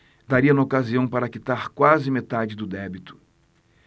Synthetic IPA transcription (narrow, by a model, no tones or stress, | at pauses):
d̪aɾiɐnɐokaziɐ̃w̃paɾɐakit̪aɾkwazɪmet̪ad͡ʒɪd̪ʊd̪ɛbit̪ʊ̥